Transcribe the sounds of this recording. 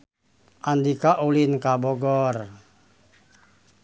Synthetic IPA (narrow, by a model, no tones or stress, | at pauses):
ʔand̪ikaʔulinkabɔɡɔr